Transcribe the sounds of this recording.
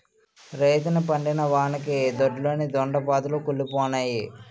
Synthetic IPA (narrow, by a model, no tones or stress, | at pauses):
ɾejt̪ɐnipɐɳɖinɐʋaːnɐkid̪oɖloːnid̪ɔɳɖɐpaːd̪ulukulːipɔːnaːji